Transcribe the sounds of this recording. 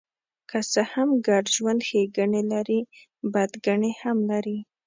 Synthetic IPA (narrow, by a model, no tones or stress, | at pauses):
kʰasəhamɡaɖʒwand̪xeɡaɳelaɾi | bad̪ɡaɳehamlaɾi